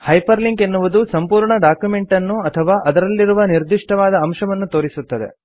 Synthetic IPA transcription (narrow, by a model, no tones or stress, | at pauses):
hɐjpɐɾliŋɡenːuʋud̪usɐmpuːɾɳɐɖaːkjume̞ɳʈɐnːuɐt̪ʰɐʋaːʔɐd̪ɐɾɐlːiɾuʋɐniɾd̪iʂʈɐʋaːd̪ɐːmʂɐʋɐnːut̪oːɾisut̪ːɐd̪e̞̰